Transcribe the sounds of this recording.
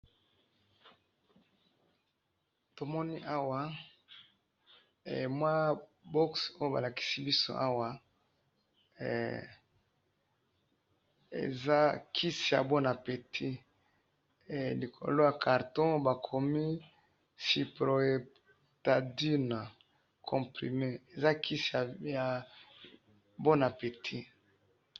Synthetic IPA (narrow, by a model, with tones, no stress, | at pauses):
to˨mɔ˦ni˦ʔa˦wa˨ | mwa˦bɔ˦kso˦jo˦ba̰˨la˨ki̥˦si˦bi˦so̰˦ʔa˦wa˨ | ḛ˨za˦kʰi˦si˨ja̰˨bo˦na˨pe˨tʰi˦˨ | li˨kʰo̰˨lo˦ja˨kʰa˨ʁtɔ̃˦ba˨kʰo˨mi˦ | si˨pʁo˨e˨ | ta˨di˦na˨ | kʰɔ̃˨pʁḭ˨me˦e˨za˦kʰi˦si˨a˨ja˨ | bo˦na˨pe˨tʰi˦